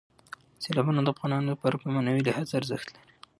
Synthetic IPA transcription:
selɑbunod̪əafɣɑnɑnod̪əpaɾkumanawilahazaɾzəxt̪laɾi̥

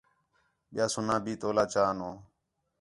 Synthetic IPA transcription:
ɓɪjaːsʊnãːbʱiːt̪oːlaːt͡ʃaːnõː

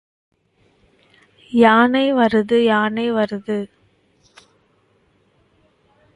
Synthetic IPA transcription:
jaːnɐɪʋɐɾɯðɯjaːnɐɪʋɐɾɯðɯ

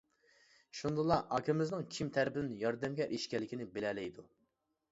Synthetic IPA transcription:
ʃund̪ɨlˠɑʔɑkʲʰɪmɪznɪŋkʲʰimt̪ʰæɾpɪd̪ɪnɪjɑɾd̪ɛmɡʲɛʔiʃkʲɛlːɪkʲinɪbelɛlɛjd̪u

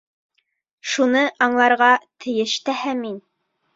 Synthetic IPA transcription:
ʃunɤʔɑɴlˠɑɾʁɑt̪ʰɘ̆jɘ̆ʃt̪æhæmin

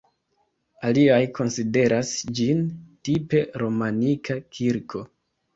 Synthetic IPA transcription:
aliajkʰo̞nside̞ɾʔasd͡ʒintipe̞ɾo̞manikʰakʰiɾkʰo̞

